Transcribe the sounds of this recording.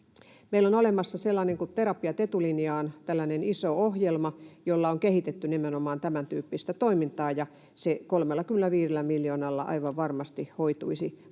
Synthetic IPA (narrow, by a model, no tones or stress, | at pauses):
meilonolemɑsːɑselːɑneŋkut̪t̪eɾɑpiɑt̪et̪ulinjɑːnt̪ælːænenisoohjelmɑjolːɑoŋkehit̪et̪ːynemenomɑːnt̪æmænt̪yːpːist̪æt̪oimint̪ɑːjɑ | sekolmelːɑkymːelˑæʋiːrelːˑæmiljoːnɑlːɑ̰ʔɑ̰iʋɑʋʋɑrmɑst̪ihoit̪uisi